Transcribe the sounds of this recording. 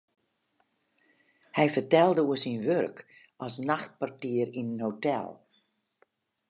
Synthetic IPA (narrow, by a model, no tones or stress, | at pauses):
hɛjfərtɛlˠdəuəsinʋørk | ʔɔsnaxt̚partiərinənhotɛ̰lˠ